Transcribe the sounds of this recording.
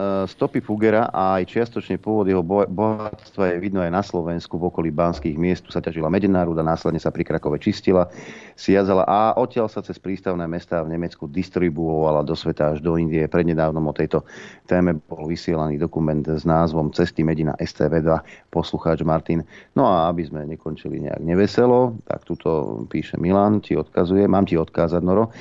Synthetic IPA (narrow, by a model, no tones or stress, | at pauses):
st̪ɔpifuɡɛɾaʔaːjt͡ʃɪast̪ɔt͡ʃɲɛpʊɔʋɔd̪jɛɦɔbɔɦat̪st̪ʋajɛʋid̪nɔajnaslɔʋɛnskuvɔkɔlibanskiːɣmɪɛst̪usacaʒilamɛɟɛnaːɾuːd̪anaːslɛd̪ɲɛsapɾikɾakɔʋɛt͡ʃiscilasɪad͡zala̰ʔaʔɔcɪalsat͡sɛspɾiːst̪aʊnɛːmɛst̪aːvɲɛmɛt͡skud̪ist̪ɾibuɔʋalad̪ɔsʋɛt̪aaʒd̪ɔind̪iɛpɾɛd̪ɲɛd̪aːʊnɔmɔt̪ɛjt̪ɔt̪ɛːmɛbɔlʋisɪɛlaniːd̪ɔkumɛnd̪znaːzʋɔmt͡sɛst̪imɛɟina̰ʔɛst̪ɛ̰ːʋɛːd̪ʋapɔsluxaːd͡ʒmaɾt̪innɔaabizmɛɲɛkɔnt͡ʃilḭɲɛ̰a̰ɡɲɛʋɛsɛlɔt̪a̰kt̪ut̪ʰɔ̰piːʃɛ̰milaːnciɔt̪kazujɛmaːmciɔt̪kaːzad̪nɔɾɔ